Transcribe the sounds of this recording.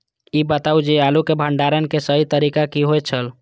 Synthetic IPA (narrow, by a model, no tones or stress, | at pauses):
ibət̪aud͡ʒealukebʱəɳɖaɾənkesəɦit̪əɾikakiɦojt͡ʃʰəl